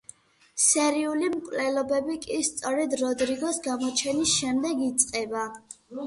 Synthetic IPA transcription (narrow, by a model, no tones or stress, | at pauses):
sɛɾiulimkʼlɛlɔbɛbikʼist̪sʼɔɾɛd̪ɾɔd̪ɾiɡɔsɡamɔt͡ʃʰɛnisʃɛmd̪ɛɡit̪sʼqʼɛba